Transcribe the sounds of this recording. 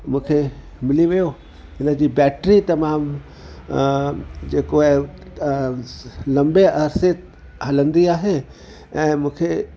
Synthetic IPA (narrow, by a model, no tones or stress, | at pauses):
mũːkʰe | mɪliʋijo | ɦɪnəd͡ʑiːbɛːʈɾit̪ɐmaːm | d͡ʑeːko | lɐ̃mbeʔɐɾse | ɦɐlə̃nd̪iaːɦe | ɛ̃ːmũːkʰe